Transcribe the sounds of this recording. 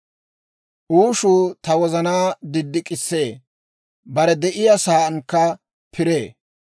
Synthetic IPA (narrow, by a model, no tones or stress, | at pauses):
ʔuːʃuːt̪ɐwɔzɐnaːd̪ɪd̪ːɪkʼɪsːe̞ː | bɐɾɛd̪ɛʔɪjasaːʔɐnkːɐ | pʰɪɾe̞ː